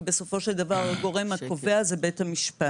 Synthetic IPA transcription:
be̞so̞fo̞ʃe̞ld̪avaʁaɡo̞ʁe̞mhakoveazebe̞thamiʃpa

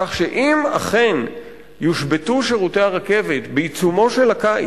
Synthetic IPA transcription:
aχʃeʔima̰χen | juʃbe̞tuʃeʁute̞aʁake̞vetbeit͡sumo̞ʃe̞laka̰

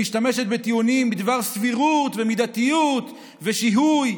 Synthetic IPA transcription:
iʃt̪ame̞ʃet̪̚bet̪iunimbid̪vaʁsviʁut̪vemid̪at̪ijut̪ | ve̞ʃiɦuj

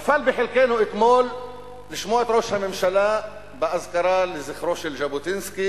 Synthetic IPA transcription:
afalbɪħɪlkeːnʊʔɪk̪moːl | lɪʃmoːʕɪt̪ɾoːʃhamɪmʃalaːʔ | bɪʔazkɑɾˤɑːlɪzɪxɾoːʃɪlʒabut̪ɪnski

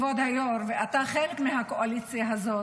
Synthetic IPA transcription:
vod̪hajoɾveat̪aχelekmiɦakoʔalit͡sjaɦazo

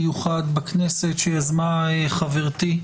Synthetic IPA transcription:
juχad̪baknesetʃejazmaeχaveʁt̪i

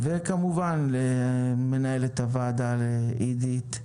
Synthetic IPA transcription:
vekamuvanleme̞naelet̪avad̪aleidit̪

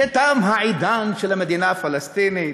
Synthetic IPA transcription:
ɪt̪aːmɦaʕid̪aːnʃɪlmad̪iːnafalast̪iːni

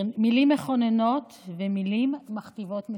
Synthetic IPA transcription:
milimːeχoneno̞t̪ | vemilimːaχt̪ivo̞t̪mi

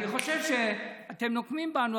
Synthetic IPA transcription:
niχo̞ʃevʃeate̞mno̞kmimbanu

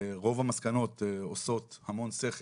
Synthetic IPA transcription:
ʁo̞vamaskano̞t̪oso̞thamo̞nse̞χ

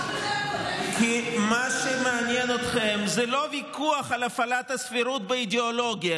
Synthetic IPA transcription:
kimaʃemeanjenot̪χemzɛlo̞vikuaχalafalat̪hasfiɾut̪̚beid̪eolo̞ɡja

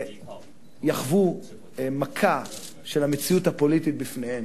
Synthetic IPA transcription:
jaχvu | makʰa | ʃelhamet͡siuthapo̞litit̚bifnehem

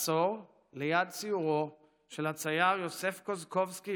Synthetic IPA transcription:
soʁ | lejad̪̚t͡siuʁo | ʃe̞lhat͡sajaʁjose̞fkozko̞vski

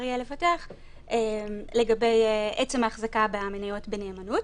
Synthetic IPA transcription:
ʁjele̞fateaχ | emle̞ɡabe̞jʔet͡semaːχzakabeaminajo̞tbeneːmanut

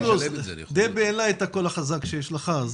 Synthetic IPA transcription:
lozd̪ebeːlaet̪akolaχazakʃejɛʃlaχaz

